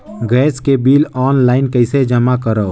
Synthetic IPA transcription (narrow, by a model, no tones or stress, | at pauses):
ɡɛskebilɔːnlaɪnkəɪsed͡ʒəmakəɾəw